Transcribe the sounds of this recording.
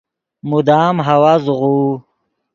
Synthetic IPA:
mud̪aːmɦawazuʁu

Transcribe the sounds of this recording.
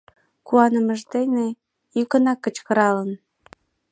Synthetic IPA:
kuɑnəməʒd̪ene | jykənɑkːət͡ɕkə̆ɾɑlən

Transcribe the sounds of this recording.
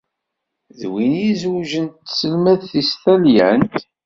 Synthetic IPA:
ðwinjizwʒənt̪səlmæðθist̪æljænt̪

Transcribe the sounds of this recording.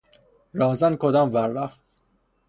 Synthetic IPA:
ɾɒːzænkʰod̪ɒːmvæɾːæft̪

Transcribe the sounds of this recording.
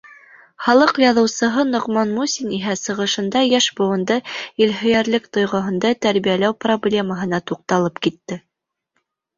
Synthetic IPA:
χɑlˠɤqjɑðɤ̆wsɤ̆ɦɤnŏʁmɑnmusʲiniɦæsɤ̆ʁɤ̆ʃɤ̆nd̪ɑjæʃbŏwɤ̆nd̪ɤilɦɵ̆jæɾlɘkt̪ŏjʁɤ̆ɦɤ̆nd̪ɑt̪æɾβijælæwproblʲe̞məɦɤ̆nɑt̪uq̚t̪ɑlˠɤpkit̪ːɘ

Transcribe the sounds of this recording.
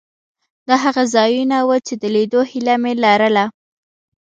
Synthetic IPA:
d̪ɑɦaɣazɑjunawət͡ʃed̪əled̪ohilamelaɾəla

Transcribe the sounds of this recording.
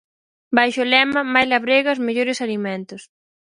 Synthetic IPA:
bajʃʊlɛmɐmajlaβɾeɣɐzmeʎoɾɪsalimɛ̃nt̪ʊs

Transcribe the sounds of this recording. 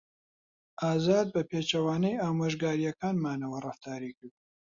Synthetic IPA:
ʔaːzaːd̪̚bɐpʰeːt͡ʃɐwaːnɛjaːmoːʒɡaːɾijɐkaːnmaːnɐwɐrɨft̪aːɾiːkɨɾd̪

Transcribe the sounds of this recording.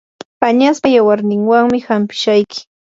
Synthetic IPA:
paɲaspajawaɾnɪŋwaŋmɪhampɪ̥ʃajkɪ̥

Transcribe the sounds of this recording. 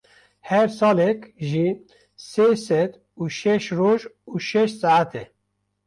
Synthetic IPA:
hɛɾsɑːlɛkʒi | sesɛd̪ | uːʃɛʃɾoːʒuːʃɛʃtsaʕat̪ʰɛ

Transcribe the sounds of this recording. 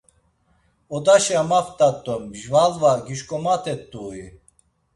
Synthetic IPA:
ɔd̪aʃiamaft̪ʼat̪ʼːɔmʒvalvaɡiʃkʼɔmat̪ʰɛt̪ʼːuːi

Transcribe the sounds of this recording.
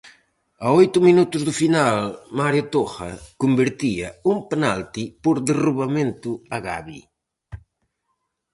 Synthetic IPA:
aojt̪ʊminut̪ʊzðʊfinalmaɾjʊt̪oxɐ̰kombeɾt̪iɐumpenalt̪ipoɾðeruβamẽnt̪ʊaɣa̰βḭ

